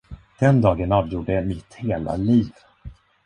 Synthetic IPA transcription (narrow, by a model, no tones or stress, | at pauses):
d̪̥ɛnd̪ɑːɡənɑːvjuːɖəɛmɪt̪heːla̰liːv